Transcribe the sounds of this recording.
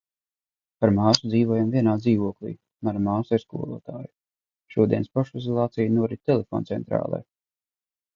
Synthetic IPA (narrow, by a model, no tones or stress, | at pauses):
paɾmaːsud̪ziːvuɔjamvʲiɛnaːd̪ziːvuɔklʲˠḭː | manmaːsiɾskṵɔlˠṵːt̪aːju | ʃuɔd̪iɛnspɔʃizɔlˠaːt̪sijnuɔɾit̪ʲelefɔ̰ːnt̪sɛnt̪ɾa̰ːlˠɛ̰j